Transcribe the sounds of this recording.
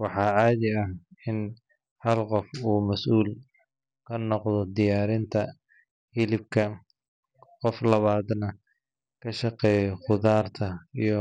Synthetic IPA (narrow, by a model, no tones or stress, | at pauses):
wɑħɑːʕɑːðɪɐhɪn | hɐlqɔfuːmɐsʔuːl | kʰɐnɔqðɔd̪ɪjaːɾɪnt̪ʰɐ | hɪlɪbkʰɐ | qɔflɐβaːd̪nɐ | kʰɐʃɑqɛːjɔχʊðaːrt̪ʰɐijɞ